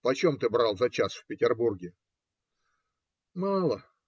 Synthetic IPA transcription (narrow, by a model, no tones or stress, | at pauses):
pɐt͡ɕomt̪ɨbɾalˠzɐt͡ɕasfpʲɪtʲɪrburɡʲɪ | malˠə